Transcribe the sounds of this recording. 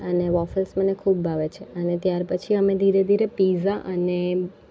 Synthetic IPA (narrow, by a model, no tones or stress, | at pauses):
əneʋɔfəlsmənekʰubːʱaʋet͡ʃʰeənet̪jaɾpət͡ʃʰiəmed̪ʱiɾed̪ʱiɾepizaʔəne